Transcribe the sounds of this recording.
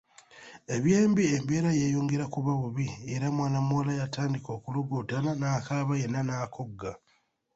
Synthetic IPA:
e̞βje̞ːmbiembeːɾajejuːŋɡeɾakuβaβuβieɾamwaːnamwoːlajataːndiko̞ːkuluɡuːtananakaβajenːanakʰo̞ɡːa

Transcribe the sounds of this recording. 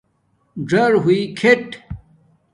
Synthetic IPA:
d͡ʑɐɾɦuikʰeʈ

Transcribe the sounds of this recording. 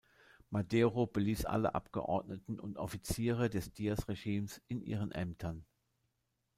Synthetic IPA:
madeːʁobəliːsʔa̰lə̰ʔa̰pɡ̥ə̰ʔɔ̰ɐtnətn̩ʊntʔɔfit͡siːʁədɛsd̥iːɐsʁeʒiːmsɪnʔḭːʁ̞ənʔɛ̰mtʰɐn

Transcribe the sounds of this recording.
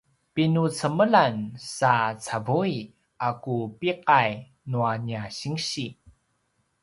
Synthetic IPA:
pinut͡səməlansat͡savui | akupiqaj | nuaniaɕiŋɕi

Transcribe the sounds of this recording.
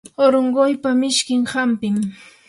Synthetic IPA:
oɾoɴɢojpamɪʃkɪŋhampɪm

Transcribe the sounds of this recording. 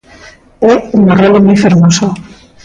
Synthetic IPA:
euŋarolomujfeɾmoso

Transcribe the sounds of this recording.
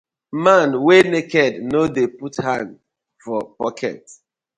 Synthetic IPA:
mãnwenekɛdnodeputhãn | fɔpɔkʰɛ̰t

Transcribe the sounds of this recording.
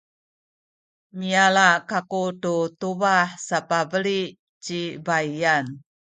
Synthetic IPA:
mialakakututubaħsapabəli | t͡ɕibajan

